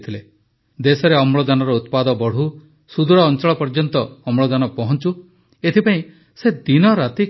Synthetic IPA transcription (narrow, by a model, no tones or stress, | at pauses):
t̪ʰile | d̪esɔɾeɔmɭɔd̪anɔɾɔut̪pad̪ɔbɔɽ̤u | sud̪ʱuɽɔːnt͡ʃɔɭɔpɔɾd͡ʒɔnt̪ɔːmɭɔd̪anɔpɔɦɔnt͡ʃu | et̪ʰipaĩ | sed̪inɔɾat̪i